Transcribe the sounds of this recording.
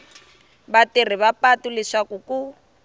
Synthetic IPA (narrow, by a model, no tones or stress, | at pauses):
batir̤iβapatulɪʂakuku